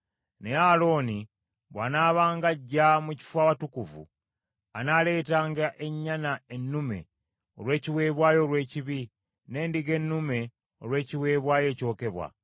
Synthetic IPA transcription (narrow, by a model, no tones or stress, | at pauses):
ne̞alo̞ːni | βwa̰naːβaːŋɡaɟːamuci̥fwaːβatukuvṵ | anaːle̞ːtaːŋɡaʔe̞ɲːanae̞nːume̞̰ | olwe̞ːciwe̞ːβwaːjo̞ːlwe̞ːciβi | ne̞ːndiɡe̞nːume̞ | olwe̞ːciwe̞ːβwaːje̞ːco̞ːke̞βwa̰